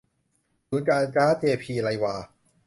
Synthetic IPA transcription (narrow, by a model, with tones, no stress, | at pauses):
suː˩˦nkaː˧nkaː˦˥t̪ʰeː˧pʰiː˧la˧jwaː˧